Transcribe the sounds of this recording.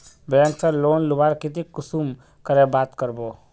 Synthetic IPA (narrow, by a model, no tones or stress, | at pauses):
bɾenʈsəloːnlʊbaːɾkit̪̬ikʊsum | kəɾebaːt̪kəɾboː